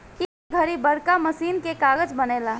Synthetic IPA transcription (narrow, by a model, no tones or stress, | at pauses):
ki | ɡʱəɾibəɽkaməsiːnkekaːɡəd͡ʒbəneːlaː